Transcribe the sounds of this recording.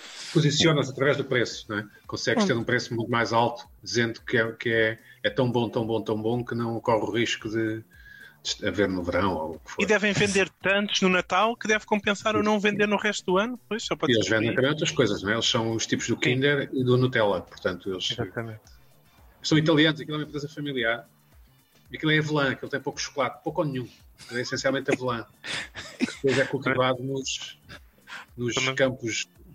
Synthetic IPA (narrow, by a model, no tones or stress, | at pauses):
puzisjonɐzɐt̪ɾɐvɛʒðupɾesu̥nw̃ɛkõsɛɣʃtt̪eɾũpɾesumũj̃t̪umajzalˠt̪u̥d̪izẽnd̪ukɛukɨɛɛt̪ɐ̃w̃bõt̪ɐ̃w̃bõt̪ɐ̃w̃bõkɨnɐ̃w̃kɔʁuʁiʃkuðɨ | d̪̥ɨʃt̪ɐveɾnuvɨɾɐ̃w̃o̰ukfoiðɛvɐ̃j̃vẽnd̪eɾt̪ɐ̃nt̪u̥ʒ̥nunɐt̪alˠkɨðɛvkõmpẽsaɾonɐ̃w̃vẽnd̪eɾnuʁɛʃt̪̚d̪uɐnup̚ojʃsɔpelˠʒvẽnd̪ẽt̪ɐmɐ̃j̃mot̪ɾɐʃkojzɐʃnw̃ɛelˠʃsɐ̃w̃uʃt̪ipuʒðukĩnd̪ɛɾiðunut̪ɛlˠɐpuɾt̪ɐ̃nt̪uelˠʃzat̪ɐmẽnt̪ | sɐ̃w̃it̪ɐlˠiɐnuzɐkilˠɛumẽpɾezɐfɐmilˠiaɾ | iɐkilˠɛɐvɨlˠɐ̃ɐkilˠt̪ɐ̃j̃powku̥ʃu̥kulˠaðupowkonɲũ | ɐkilˠɛisẽsjalˠmẽnt̪ɐ̃vlˠɐ̃ | kðpojzɛkut̪vaðunuʃ | nuʃkɐ̃mpuʃ